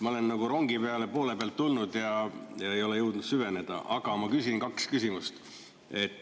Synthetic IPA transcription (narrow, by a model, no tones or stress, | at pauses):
mɑo̞le̞nːɑɡ̥uɾo̞ŋɡ̥ipeɑle̞po̞ːle̞peɑlt̪ːulnud̪̥jɑjɑe̞jo̞le̞jɤwd̪̥nud̪̥syve̞ne̞d̪̥ɑ̰ʔɑɡ̥ɑmɑkys̬ʲinkɑkskysimust̪ | e̞t̪ːˑ